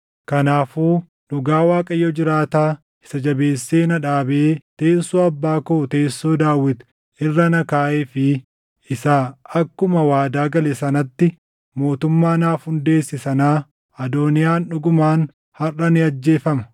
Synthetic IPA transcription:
kɐnaːfuː | ᶑʊɡaːwaːkʼɐjɔd͡ʒɪɾaːt̪aː | ɪ̥sɐd͡ʒɐbe̞ːsːe̞ːnɐᶑaːbeːt̪e̞ːsːoːɐbːaːkoːt̪e̞ːsːoːd̪aːwːɪt̪ | ɪrːɐnɐkaːʔeːfɪ | ɪsaɐkːʊmɐwaːd̪aːɡɐlɛsɐnɐt̪ːɪ | mo̞ːt̪ʊmːaːnaːfhʊnd̪e̞ːsːɪsɐnaː | ɐd̪o̞ːnɪjaːnᶑʊɡʊmaːn | hɐrːɐnɪɐd͡ʒːe̞ːfɐmɐ

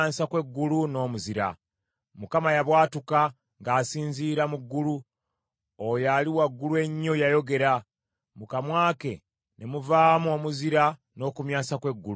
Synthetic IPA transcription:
aːsakwe̞ɡːuluno̞ːmuziɾa̰ | mukamajaβwaːtuka | ŋɡaːsiːnziːɾamuɡːulu | ojaliwaɡːulue̞ɲːo̞jajo̞ɡe̞ɾa | mukamwaːke̞ | nemuvaːmo̞muziɾa | no̞ːkumjaːsakwe̞ɡːulu

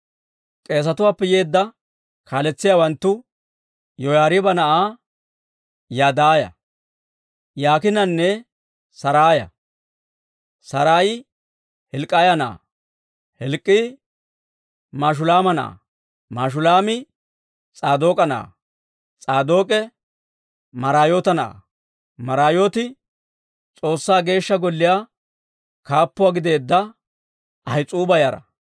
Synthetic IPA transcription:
kʼe̞ːs̬ɐt̪ʊwaːpːɛjeːd̪ːɐ | kʰaːlɛt͡sːɪjaːwɐnt̪ːʊ | jɔjaːɾɪbɐnɐʔaː | jaːd̪aːjɐ̰ | jaːkɪnɐnːɛ | sɐɾaːjɐ̰ | sɐɾaːjɪ | hɛlkʼːajɐnɐa̰ | hɛlkʼːɪ | maːʃ̬ʊlaːmɐna̰ː | maːʃ̬ʊlaːmɪ | t͡sʼaːd̪o̞ːkʼɐna̰ː | t͡sʼaːd̪o̞ːkʼɛ | mɐɾaːjoːt̪ɐna̰ː | mɐɾaːjoːt̪ɪ | t͡sʼo̞ːsːaːɡe̞ːʃːɐɡɔlːɪjaː | kaːpːʊwaɡɪd̪e̞ːd̪ːɐ | ʔɐjt͡sʼuːbɐjɐɾɐ̰

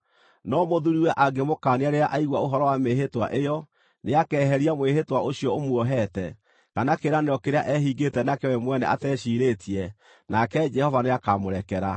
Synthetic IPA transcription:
nɔmoðuɾiwɛʔaɡemokaneaɾeaʔaiɣwaoɦɔɾɔwameɦetwa̰ʔejɔ | neakɛːɦɛɾiamwehetwaoɕjɔomwɔɦɛtɛ | kanakeɾanejɔkeɾeaʔɛɦiɡetɛnakeɔɛmwɛnɛ̰ʔatɛɕiːɾetʰiɛ | nakɛd͡ʒɛhɔvaneakamoɾɛkɛɾa

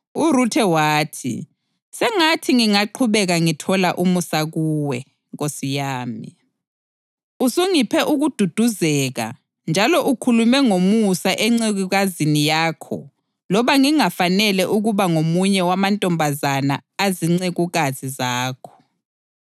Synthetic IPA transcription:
uɾutʰɛwaːtʰḭ | sɛŋatʰiŋiŋaǃʰuβɛɣaŋitʰɔlaʔumusaɣuwɛ | ɣosijaːmḭ | usuŋipʰɛʔuɣud̥ʱud̥ʱuzɛɣa̰ | nd͡ʒʱalɔʔukʰulumɛŋomusaʔɛŋ͡ǀeɣuɣazinijaːkʰɔ̰ | lɔβaŋiŋafanɛlɛʔuɣuβaŋomuɲɛwamantʼɔmbʱazanaaziŋ͡ǀeɣuɣazizaːkʰɔ̥

